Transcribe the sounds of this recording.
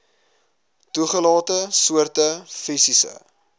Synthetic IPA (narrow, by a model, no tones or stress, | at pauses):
tuχəlɑːtəsuərtəfisisə̰